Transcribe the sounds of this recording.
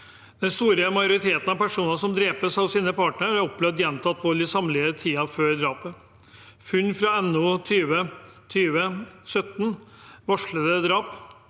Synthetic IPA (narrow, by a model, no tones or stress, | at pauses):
d̪̥ɛnst̪uːɾəmɑjʊɾɪt̪ʰeːt̪n̩ɑʋpæʂuːnɑsɔmd̪ɾeːpəsɑʋsiːnəpʰɑːʈɳəɾæɾɔp̚blœd̪jɛnt̪ʰɑt̪ːʋɔlɪsɑmlɪət̪ʰiːɑføːɾd̪ɾɑːpə | fʉnːfɾɑɛnuːt̪ʰyːʋət̪ʰyːʋəsœt̪n | ʋɑʂɭəd̪əd̪ɾɑːp